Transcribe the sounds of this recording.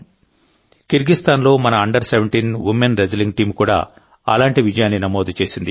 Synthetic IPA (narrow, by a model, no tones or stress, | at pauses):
kiɾɡist̪ʰaːnlo̞ːmɐnɐɐɳɖɐɾseʋeɳʈiːnʋimːenɾed͡ʒɐliŋɡʈiːmkuːɽa̰ː | ɐ̰laːɳʈiʋid͡ʒɐjaːnːinɐmoːd̪ut͡ʃe̞ːsind̪i